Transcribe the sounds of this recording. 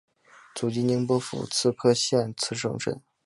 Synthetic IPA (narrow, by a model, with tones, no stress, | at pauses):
t͡su˨˩t͡ɕi˥ni˧˥ŋpwɔ˥fṵ˨˩t͡sʰɹ̩˥˧kʰɤ˥ɕjɛ˥˩nt͡sʰɹ̩˥˩ʂɤ̰˥ŋʈ͡ʂə̰˨˩˦n